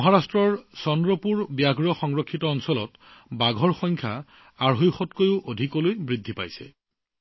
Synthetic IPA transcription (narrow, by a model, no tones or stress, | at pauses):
ɔɦaɹastɹɔɹsɔndɹɔpuɹbjaɡɹɔxɔŋɹɔkʰːitɔɔnsɔlɔ̰t | baɡʱɔɹxɔŋkʰa̰ | aɹɦojxɔtkojʊʔodʱikɔlojbɹidʱːipa̰jsɛ̰